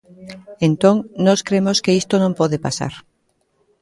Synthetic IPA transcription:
ent̪oŋnɔskɾemoskeist̪onõmpɔðepasa̰ɾ

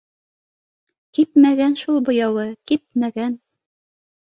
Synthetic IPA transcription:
kip̚mæɡænʃulˠbŏjɑwɤkip̚mæɡæn

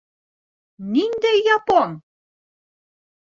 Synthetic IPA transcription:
nind̪æjːɑpon

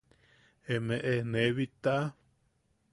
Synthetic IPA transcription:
emeʔeneβit̪aʔa

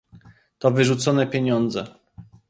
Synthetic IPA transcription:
t̪ɔvɘʐut̪sɔnɛpʲeɲɔnd̪zɛ̰

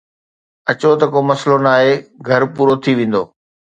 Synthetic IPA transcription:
ɐt͡ɕot̪ɐkoːmɐslonaːɦeɡʱɐɾpuːɾot̪ʰiʋẽːn̆d̪o̰ː

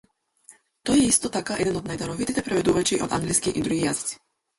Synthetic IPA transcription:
t̪ɔjɛist̪ɔt̪akaʔɛd̪ɛnɔd̪najd̪aɾɔvit̪it̪ɛpɾɛvɛd̪uvat͡ʃiʔɔ̰d̪a̰ŋɡliskiʔid̪ɾuɡijazi̥t̪si̥

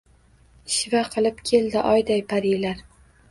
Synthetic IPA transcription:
ɪʃvaqʰɨlˠɪpkʲʰe̞ld̪ɪʔɒjd̪ajpʰaɾilaɾ

